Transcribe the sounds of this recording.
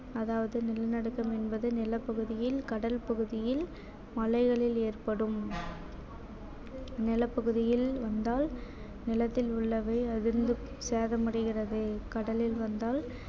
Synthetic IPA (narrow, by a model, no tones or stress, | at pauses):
ɐðaːʋɐðɯnɪlɐnɐɽɯkːɐmɛnbɐðɯnɪlɐpːɐɣɯðɪjɪlkɐɽɐlpɐɣɯðɪjɪl | mɐlɐɪɣɐɭɪleːrpɐɽɯm | nɪlɐpːɐɣɯðɪjɪlʋɐnd̪aːl | nɪlɐt̪ːɪlʊɭːɐʋɐɪɐðɪɾɯnd̪ɯ | seːðɐmɐɽɪɣɪrɐðɯkɐɽɐlɪlʋɐnd̪aːl